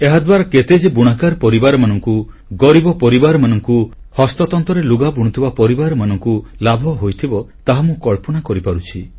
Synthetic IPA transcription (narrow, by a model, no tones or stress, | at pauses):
eɦad̪baɾɔket̪ed͡ʒebuɽ̃akaɾpɔɾibaɾɔmanɔŋku | ɡɔɾibɔpɔɾibaɾɔmanɔŋku | hɔst̪ɔt̪ɔnt̪ɔɾeluɡabuɽ̃ut̪ʰibapɔɾibaɾɔmanɔŋkulabʱɔɦojt̪ʰibɔt̪aɦamũkɔɭpɔnakɔɾipaɾut͡ʃʰi